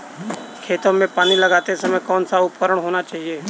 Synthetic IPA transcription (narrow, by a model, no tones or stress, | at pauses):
kʰeːt̪õmẽpaːniləɡaːt̪esɐməjkɔːnsaʊpkəɾəɽ̃ɦoːnat͡ʃaːɦieː